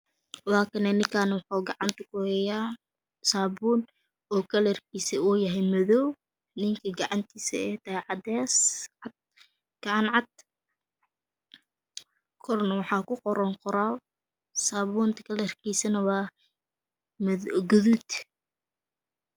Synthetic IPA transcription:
waːkʰɐnɛnɪŋkʰaːnwɑħuːɡɑʕɑnt̪ʰɐkʰʊhɛjaː | saːbuːn | ɔːkʰɐlɛrkʰiːsiuːjɐɦɛjmɐðɔw | nɪŋkʰɐɡɑʕɑnt̪ʰiːsɛ̰ɛjt̪ʰɐɦɛʕɑd̪ɛːsɑd̪̚ | ɡ̥ɑʕɑnʕɑd̪̚ | kʰɔrnɐwɑħɑːkʰʊqɔɾɐŋqɔɾaː | saːβuːnt̪ʰɐ̥kʰɐlɛrkʰiːsɐnɐwɑː | mɡʊðuːd̪

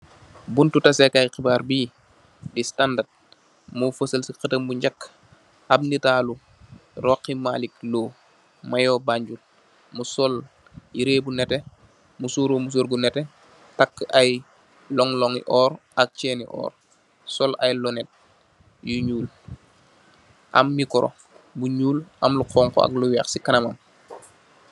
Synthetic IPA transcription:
buntutɐsɛkajxibaːɾbiː | distandat̚ | mufəsəlsixətəmbuɲɟakː | abnitaːlu | rɔːkːimaːlik̚loː | majɔːbaɲɟul | musɔl | jiɾeːbunɛtɛ | musuɾomus̬oːɾɡunɛtɛ | takːʔaj | lɔŋlɔŋiʔɔːɾʔak̚t͡ʃɛːnḭʔɔ̰ːɾ | sɔlʔajlɔnɛt̚ | juɲuːl | ʔɐ̰mːikɔɾʔo̰ | buɲuːlʔɐmluqʰɔːŋkoa̰kluwɛxsikɐnɐmɐm

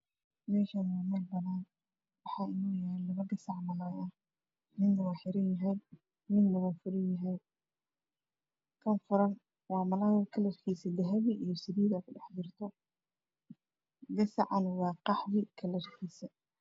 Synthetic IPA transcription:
mɛːʃanaːmɐbɐnaːn | wɑħɑːʔɪnuːjalɐβɐɡɐsɑʕmɐlawʔɐh | nɪnnɐwɑːħɪɾɪjɐɦɛj | nɪnmʊɣɐfʊɾɪjɐɦɛj | kʰɐnfʊɾɐn | wɑːmɐlaːwkʰɐlɐrkʰiːsɐd̪ɐɦɐβiʔijɔsɪβiːðɐkʰʊɖɑħdɪrt̪ʰɔ | ɡɐsɑ̰ʕɑnwɑːqɑħðɪkʰɐlɐrkʰiːsɐ

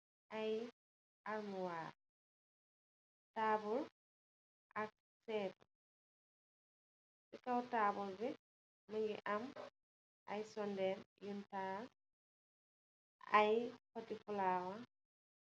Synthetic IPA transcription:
ʔaj | ʔaɾmuwaːɾ | taːbul | ʔak̚ | sɛːtɔ | sikawtaːbulbɛ | maŋɡɛ̰ʔam | ʔajsɔndɛɾjuntaː | a̰jpatifulaːwa

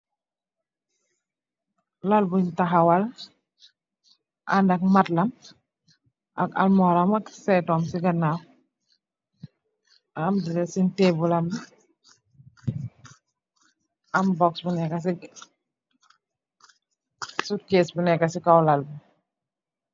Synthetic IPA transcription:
lalbuɲtaɦawal | ʔa̰ndak̚matlam | ʔaka̰lmɔɾamaksɛtɔmsiɡanaw | amdilɛsintebulami | ambɔksbunɛkasi | sut̚kesbunɛkasikawlalbu

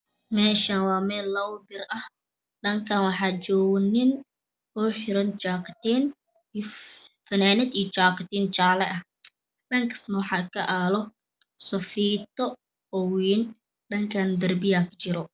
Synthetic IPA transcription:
mɛːʃaːnwɑːmɛːlːɐwbɪrɐh | ɗɐŋkʰaːnwɑħɑːt͡ʃɔːɣnɪn | ɔːħɪɾɐnt͡ʃaːkt̪in | fɐnaːnɪd̪ijɔt͡ʃaːkt̪iːnt͡ʃaːlɛʔɐh | ɗɐŋkʰɐ̥snɐwɑħɑːkʰɐʔaːlɔ | sɐfiːt̪ɔ | ɔwiːn | ɗɐŋkʰaːnd̪ɐrbɪjaːkt͡ʃɪɾɔ

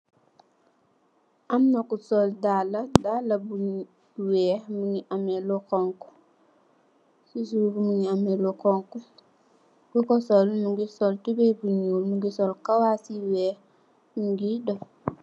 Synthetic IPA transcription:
ʔamːɐkusɔldalɐdalːɐbuɲ | wɛːhmuɲiʔamɛlukɔŋku̥ | sis̬ukumuɲiamɛlukɔŋku | bukɔsɔlmuŋɡisɔltubɛbuɲuːlmuŋɡisɔlkawasiwɛːh | muɡidɔ

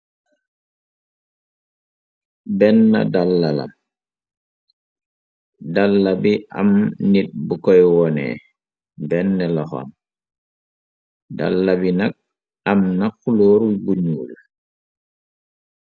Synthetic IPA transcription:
bɛnːa̰dalːala̰m | dalːabiʔa̰mnit̚bukɔjwɔnɛ̰ | bɛnːɛlɔxɔ̰n | da̰lːabinak̚ | amnaxuloːɾwibuɲuːl

